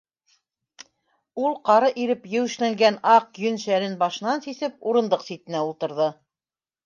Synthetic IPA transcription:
ulˠqɑɾɤʔiɾɘpjɘwɘ̆ʃlæŋɡænɑq̚jɵnʃæɾɘnbɑʃɤ̆nɑnsisɘp̚uɾɤ̆nd̪ɤqsit̪ɘ̆næulˠt̪ɤ̆ɾðɤ

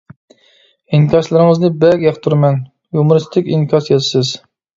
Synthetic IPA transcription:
iŋkʲɑʃlˠɨɾɨŋɨznɨbɛɡʲjɑχt̪ʰuɾmɛn | jumʊɾɨst̪ʰɪkʲiŋkʲʰɑsijɛt̪sɪz̥

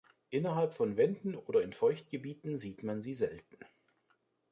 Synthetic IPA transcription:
ʔɪnɐɦalpfɔnvɛndn̩ʔoːdɐɪnfɔʏçt̚ɡ̥əbiːtn̩ziːtmanziːzɛltn̩

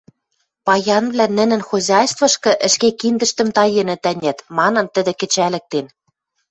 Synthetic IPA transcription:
pɑjɑnβlænɘ̆nɘ̆nxozʲɑjst̪vɤ̆ʃkɤ̆ʔɘ̆ʃkekind̪ə̆ʃt̪ə̆mt̪ɑjenɘ̆t̪ænʲæt̪mɑnɤ̆nt̪ə̆d̪ĕkɘ̆t͡ɕælɘ̆k̚t̪en

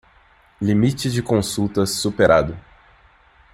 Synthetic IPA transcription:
limit͡ʃɪd͡ʒɪkõsut̪ɐsːupeɾʔad̪ʊ

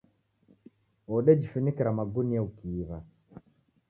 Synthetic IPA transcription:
ɔɗɛd͡ʒifunikiɾamaɡuniaukiːβa

